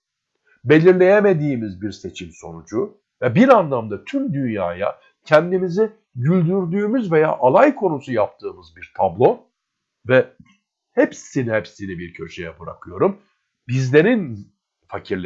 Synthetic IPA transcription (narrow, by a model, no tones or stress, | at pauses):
be̞lʲiɾlʲe̞jeme̞d̪iːmizbiɾse̞t͡ʃʰimso̞̰nud͡ʒu | vɛbiɾanlˠamd̪at̪ʰymd̪ynjaːja̰ | cʰɛnd̪imizi | ɟylʲd̪yɾd̪yːmyzve̞ja̰ːʔalˠajkʰo̞nusujap̚t̪ʰɯːmɯzbiɾt̪ʰablˠo̞ | vɛ | hepsinihepsinibiɾcʰø̞ɾʃejɛbɯɾa̰kʰɯjo̞ɾum | bizlʲe̞ɾin | facʰiɾlʲ